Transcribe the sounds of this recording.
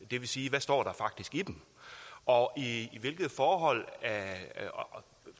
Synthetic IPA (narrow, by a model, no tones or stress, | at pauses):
d̥e̝ʋe̝siːʋæsd̥ɒ̰ːɾ̥ɑ̈fɑ̈ɡ̥̚d̥isɡ̥id̥emʔɒ̽iːʋe̝lɡ̥ð̩ˠfɒːɦɒ̽l̰æ